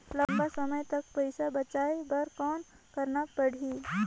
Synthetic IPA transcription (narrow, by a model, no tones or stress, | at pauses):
ləmbasəməjt̪ək̚pəjsabət͡ʃajbəɾkɔːn | kəɾnak̚pəɽ̤i